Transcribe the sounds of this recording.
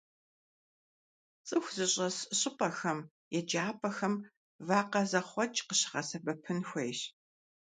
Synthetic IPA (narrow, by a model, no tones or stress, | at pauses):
t͡sʼɨxʷzɨɕʼɐsɕʼɪpʼɐxɐm | jɛd͡ʒaːpʰʼɐxɐm | vaːqɐzɐχʷɔt͡ʃʼqəɕɪ̥ʁɐsɐbɐpʰɨnxʷejɕ